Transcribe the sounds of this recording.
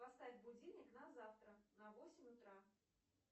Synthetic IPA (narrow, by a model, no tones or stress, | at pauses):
past̪ad͡zʲbud͡zʲinʲɐknɐzawt̪ɾɐnɐvɔsʲimʲut̪ɾa